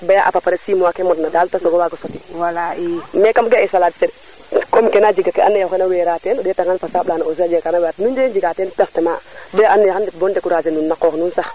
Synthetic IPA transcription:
bajaʔa̰papaɾɛsimwakɛmɔtnadaːltasɔɡɔwaɡɔsɔtiwalaimɛkamɡaɛsaladsɛd | kɔmkɛnad͡ʒiɡakɛa̰nːɛjakɛnawɛːɾatɛndɛtaŋkanfasaːblaːnaos̬iad͡ʒiɡakanawɛɾatnundɛd͡ʒiɡatɛntɛftɛmabajaʔanːɛjxandɛbɔndɛkuɾasɛnunːakɔːknunsa

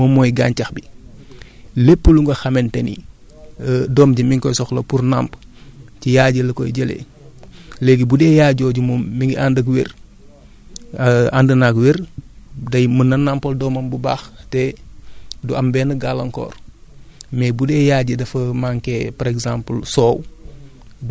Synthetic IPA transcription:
mɔmːɔjɡaːncɐxbi | lepːəluŋɡɐxɐmɛntɛnḭ | dɔːmɟimiŋkɔjsɔxlɐpurna̰ːmpcijaːɟəlɐkɔ̰jɟelḛ | lɛɡibudɛːjaːɟɔɟumɔmmiŋɡiʔandɐkweɾ | andənakweɾdɐjmənɐnampɐldɔmɐmbubaːxtɛ | duɐmbɛːnɐɡalɐŋkɔ̰ːr | mɛːbudɛːjaːɟədɐfɐmaŋkɛːpɐɾɛɡzaːmpəlsɔːw

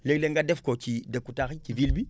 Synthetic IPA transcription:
leɡleŋɡadɛfkot͡ʃidekːutaxit͡ʃivilbi

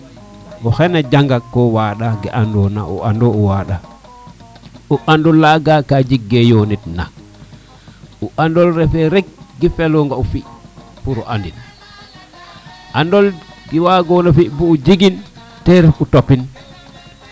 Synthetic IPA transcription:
ɔxɛnad͡ʒaŋɡakːɔwaɗaɡɛʔandɔna̰ʔɔ̰andɔɔwaɗa | uʔandɔlːaɡakad͡ʒiɡːɛjonitna̰ | uʔandɔlɾɛfɛɾɛɡ̚ɡifɛlɔŋɡaufi | puɾɔ̰ʔandin | ʔandɔl | ɡiwaɡɔnafibuud͡ʒiɡin | tɛɾɛfutopin

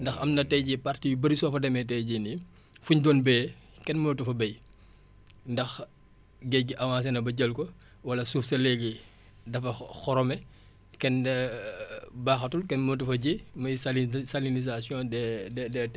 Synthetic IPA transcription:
ndɐxɐmnɐtɛjɟipartijubɐɾisɔfɐdɐmɛtɛjɟini | fuɲdɔːnbɛː | kɛnmətufɐbɐj | ndɐx | ɡɛɡiʔɐwaːs̬ɛnɐbɐɟɐlkɔ | wɐlɐsuːfsɐlɛɡi | dɐfɐxɔɾɔmɛ | kɛn | baːxɐtulkɛnmətufɐɟimɐjsalisalinizasjɔ̃ːdɛdɛdɛ

